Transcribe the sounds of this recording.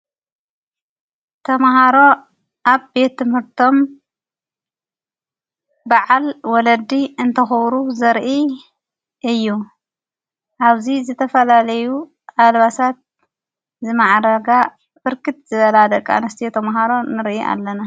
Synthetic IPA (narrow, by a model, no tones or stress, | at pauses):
t̪ʰɐmɦaɾo̞ | ʔaβbe̞t̪ʰːɨmhɨɾt̪ʰo̞m | baʕalwɔlɐd̪iɨnt̪ʰɐxɨβɾuzɐɾʔi | ʔɨjːu | ʔaβzizɨt̪ʰɐfɐlalɐju | ʔalβasat̪̚ | zɨmaʕɾɐɡa | bɨɾkɨt̪zɨβɐlad̪ɐkʼa̰nɐst̪ʰijot̪ʰɐmɦaɾo̞nɨɾiʔa̰lːɐna